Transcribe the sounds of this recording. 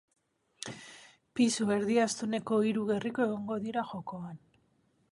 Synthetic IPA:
pisue̞ɾðiast̪une̞ko̞iɾuɣe̞rikoe̞ɣ̞o̞ŋɡo̞ðiɾaxo̞ko̞an

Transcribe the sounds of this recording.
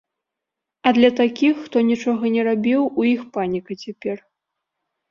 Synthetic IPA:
ɐd̪lʲɐt̪akʲixːt̪ɔnʲit͡ʂɔɣɐnʲɛɾabʲiwujixpanʲikɐt͡sʲapʲɛr

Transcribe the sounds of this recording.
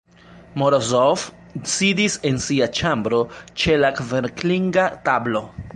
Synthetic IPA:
moɾozof | sidise̞nsiat͡ʃambɾo̞t͡ʃe̞lakveɾkliŋɡatablo

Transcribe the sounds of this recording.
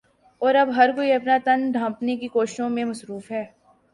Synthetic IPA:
ɔːɾɐbɦɐɾkoːiɐpnat̪ɐnd̪ʱãmpnekikoːʃɪ̥ʃõmẽmɐsɾuːfɦɛː

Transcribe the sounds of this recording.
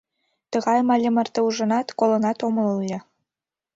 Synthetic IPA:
t̪ɤ̆ɣɑjmɑlʲĕmə̆rt̪ĕuʒɤ̆nɑt̪kolˠɤ̆nɑt̪omə̆lɤlʲɤ̆

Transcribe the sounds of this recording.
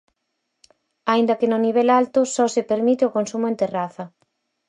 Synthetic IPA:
aind̪ɐkɪnʊniβ̞ɛlalt̪ʊsɔsɪpeɾmit̪ɪʊkonsumʊẽnt̪eraθɐ

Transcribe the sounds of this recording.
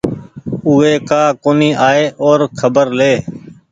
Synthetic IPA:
uːeːkaːkoːniːʔaːeːʔoːɾkʰəbəɾleː

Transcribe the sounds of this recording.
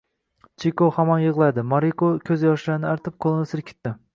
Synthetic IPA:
t͡ʃʰikʰohamɒnjɨʁlˠad̪ɪmɒɾikʰokʲʰɵzjɒʃlaɾnɪaɾt̪ʰɪp̚qʰolˠnɪsɪɾkʲʰɪ̥t̪ːɪ

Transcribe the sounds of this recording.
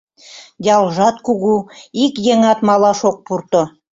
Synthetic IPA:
dʲɑlˠʒɑt̪kuɣuikjeŋɑt̪mɑlˠɑʃok̚purt̪ŏ

